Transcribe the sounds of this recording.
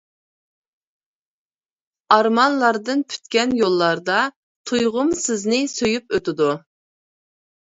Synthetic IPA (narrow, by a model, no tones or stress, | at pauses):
ɑɾmɑnlˠɑɾd̪ɨnpʰy̥t̪kʲɛnjolˠːɑɾd̪ɑ | t̪ʰujʁʊmsɪznɪsøjypøt̪ɪd̪u